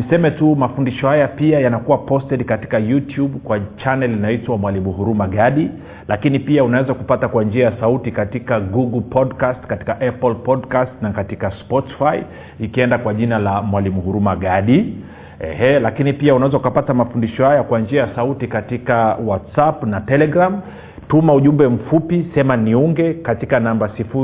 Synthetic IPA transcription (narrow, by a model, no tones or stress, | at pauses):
nisɛmɛtumafundiʃɔhajapiajanakuwapɔstɛɗkati̥kajutjuɓkwat͡ʃanɛlinaitwamwalimuhuɾumaɠaɗi | lakinipiaunawɛzakupatakwand͡ʒiajasautikatikaɡuɡl̩pʰɔdkastkati̥kaʔɛplpɔdkastnakatikaspɔti̥fai | ikiɛndakwaʄinalamwalimuhuɾumaɠaɗi | ɛ̰hɛlakinipiaunawɛzaukapatamafundiʃɔhajakwand͡ʒiajasautikatikawatsapnatɛlɛɡɾam | tumauʄumbɛm̩fupisɛmaniuŋɡɛkatikanambasifu